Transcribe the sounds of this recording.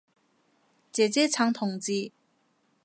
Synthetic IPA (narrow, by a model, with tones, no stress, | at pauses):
t͡ɕɛː˩˨t͡ɕɛ˥˨t͡ɕʰa˥˨ŋt̪ʰɔ˥˨ŋt͡ɕiː˥˨